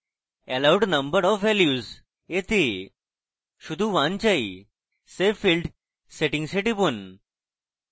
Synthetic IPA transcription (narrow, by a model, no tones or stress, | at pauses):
ɛlawɖnəmbəɾɔfʋɛljuz | et̪e | ɕud̪ʱũʋãnt͡ɕai | sefilɖ | seʈĩŋɡseʈipun